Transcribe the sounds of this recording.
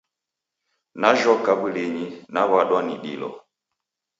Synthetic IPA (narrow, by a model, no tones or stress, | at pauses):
naʒɔkabuleɲinaβaɗwaniɗḭlɔ̰